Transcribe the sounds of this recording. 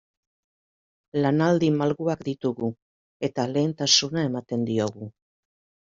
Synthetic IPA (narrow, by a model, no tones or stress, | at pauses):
lanald̪imalɣuakd̪it̪uɣu | e̞t̪ale̞ːnt̪asunae̞mat̪e̞nd̪io̞ɣu